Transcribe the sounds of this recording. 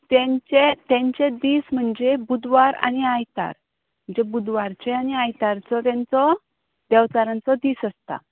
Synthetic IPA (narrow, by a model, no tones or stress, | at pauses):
t̪ɛ̃t͡ɕet̪ɛ̃ɲt͡ɕẽd̪iːsm̤əɳd͡ʑebud̪ʋaɾa̰niajt̪a̰ɾ | m̤əɳd͡zebud̪ʋaɾt͡ɕeaniajt̪aɾt͡sɔt̪ɛ̃nt͡sɔ | d̪ɛwt͡saɾãnt͡sɔd̪iːsəst̪a̰